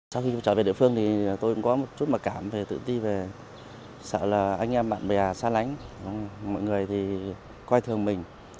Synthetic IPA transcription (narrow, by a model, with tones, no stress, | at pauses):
sa˧wxi˧˩t͡ɕəː˧˩ve˨˩ɗḭ˧˨fɨ˧əŋt̪ʰi˨˩t̪o˧jkṵ˧˥ŋ͡mkɔ˨˦mo˨˩t̚t͡ɕu˦˥t̚ma˨˩kaː˧˩mve˨˩t̪ɨ̰˧˨t̪i˧ve˨˩ | sə̰ː˧˨laː˨˩ʔa˧jŋʔɛ˧mɓa̰ː˧˨nɓə˨˩jzaː˨˩saː˧la˨˦jŋ̟˧˦ŋ͡mjmɔ̰˧˨jŋɨ˨˩əjt̪ʰi˨˩ | kwaː˧jt̪ʰɨ˨˩əŋmï˨˩ŋ̟